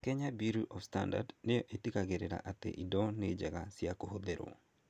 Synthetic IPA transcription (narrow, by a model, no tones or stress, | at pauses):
keɲabiɾuʔɔfsta̰nda̰dnejoʔetikaɡeɾeɾa̰ʔat̪ḛʔidɔned͡ʒaɡasɪakohod̪eɾo̰